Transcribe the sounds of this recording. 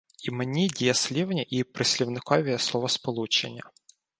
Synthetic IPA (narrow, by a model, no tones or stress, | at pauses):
imenʲidʲijɐsʲlʲiwnʲɐʔipɾɪsʲlʲiwnɪkɔʋʲislˠɔʋɔspɔlˠut͡ʃenʲːɐ